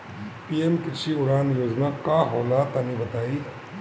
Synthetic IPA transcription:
piːemkɪt͡ʃʰiʊɾaːnjoːd͡ʒnakaɦɔːlaːt̪anĩbɐt̪aːi

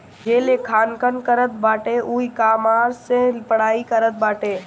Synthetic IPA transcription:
d͡ʒeːlekʰaːnkənkəɾət̪̚baːʈeʔuikaːmaːɾsẽlpəɽaːikəɾət̪̚baːʈe

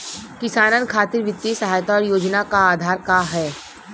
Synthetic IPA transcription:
kɪsaːnənkʰaːt̪ɪɾʋɪt̪ːisɐɦaːjt̪aɔːɾjoːd͡ʒnakaaːd̪ʱaːɾkaɦɛː

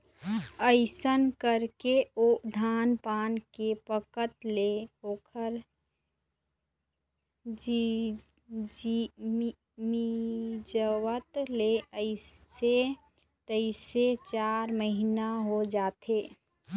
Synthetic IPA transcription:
əɪsənkəɾkeod̪ʱaːnpaːnkepəkət̪leoːkʰəɾ | d͡ʒ | mid͡ʒəwət̪leəɪe | t̪əɪset͡ʃaɾməɦinaɦod͡ʒaːt̪e

